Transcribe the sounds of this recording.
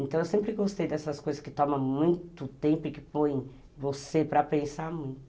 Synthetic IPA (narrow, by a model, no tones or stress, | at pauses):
ẽnt̪ɐ̃w̃ewsẽmpɾɪɡost̪ejd̪ɛsɐskojzɐskɪt̪ɔmɐ̃mũj̃t̪ʊt̪ẽmpʊɪkɪpõj̃ | vosepɾɐpẽsaɾmũj̃t̪ʊ